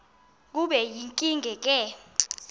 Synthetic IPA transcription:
k̬uɓɛjiŋkʼiŋɡʱɛk̬ʼɛ

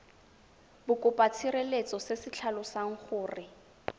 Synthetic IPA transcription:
bʊkʼʊpʼat͡sʰirelet͡sʼɔsesɪt͡ɬʰalʊsaŋ̩χʊːrɪ

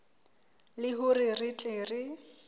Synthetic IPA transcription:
lɪɦʊrirɪt͡ɬʼeːrɪ

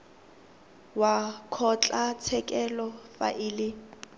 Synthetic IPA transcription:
wakʰɔt͡ɬʼat͡sʰɛkʼɛlɔfa̰ʔɪːlɪ

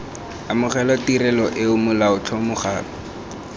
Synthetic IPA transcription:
amʊχɛlɔtiɾɛlɔʔɪʊmʊlaʊt͡ɬʰɔmʊχaːlɔ

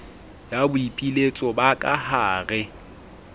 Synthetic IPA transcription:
jabʊipʼilet͡sʼɔbakʼahaːrɪ

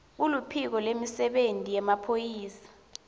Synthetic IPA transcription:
ulupʰik̬ɔlemisɛɓentʼijɛmapʰojiːsḁ

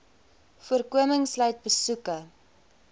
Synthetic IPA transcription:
fuərkuəməŋslœɥt̚bəsukə

